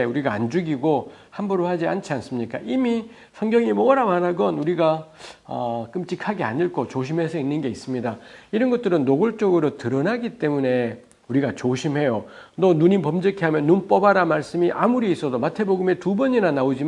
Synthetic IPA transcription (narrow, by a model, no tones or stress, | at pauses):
uɾiɡaa̰nd͡ʑuɡiɡohambuɾohad͡ʑiant͡ɕʰians͈ɯmɲik͈a̰ʔimi | sʰʌŋɡjʌŋimʌɡɾamanaɡʌnuɾiɡaʌk͈ɯmt͡ɕ͈ikʰaɡea̰ɲiɭk͈ʰot͡ɕoɕ̬ʰimɦe̞sʰʌinːɯnɡe̞is͈ɯmɲidaiɾʌnɡʌt͈̚ɯɾɯnːoɡoɭt͡ɕ͈oɡɯɾotɯɾʌnaɡit͈e̞mune̞ | uɾiɡat͡ɕoɕʰimɦe̞jonʌnuɲipʌmd͡ʑɯkʰiɦamjʌnːunp͈ʌbaɾamaɭs͈ɯmiʔamuɾiːs͈ʌdomatʰe̞boɡɯme̞tubʌɲinanaod͡ʑi